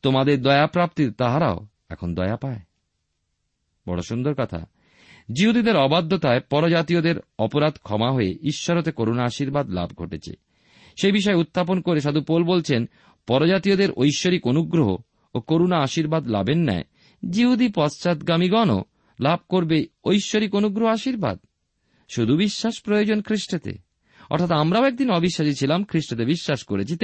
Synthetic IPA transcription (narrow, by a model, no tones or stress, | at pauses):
t̪omad̪eɾd̪ɔeapɾap̚t̪iɾt̪aɦaɾa̰o | ɛ̰kʰond̪ɔeapae | bɔɽoʃund̪oɾkɔt̪ʰa̰ | d͡ʑiɦud̪id̪eɾɔbad̪ʱːot̪aepɔɾod͡ʑat̪iod̪eɾɔpoɾad̪kʰɔmaɦoeiʃːaɾot̪ekoɾonaaʃiɾbad̪la̰bɡʱoʈet͡ɕʰḛ | ʃejbiʃ̬ɔeut̪ːap̬onkoɾeʃad̪upolbolt͡ɕʰen | pɔɾod͡ʑat̪iod̪eɾo̰jʃːoɾikonuɡɾoɦo̰ | okoɾonaaʃiɾbad̪la̰benːa̰e | d͡ʑiɦud̪ipɔst͡ɕat̪ɡamiɡɔno̰ | lab̚ʱkoɾbeojʃːoɾikonuɡɾoɦoaʃiɾba̰d̪̚ | ʃud̪ʱubiʃːaʃpɾojod͡ʑonkʰɾiʃʈot̪ḛ | ɔ̰ɾt̪ʰat̪amɾaoɛk̚d̪inɔbiʃːaʃit͡ɕʰilamkʰɾiʃʈot̪ebiʃːaʃkoɾet͡ɕʰit̪